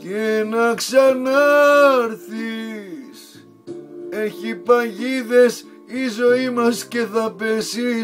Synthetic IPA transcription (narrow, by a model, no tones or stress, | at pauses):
cenɐksɐnɐɾθis | eçipɐʝiðe̞s | izo̞imɐsce̞θɐpesi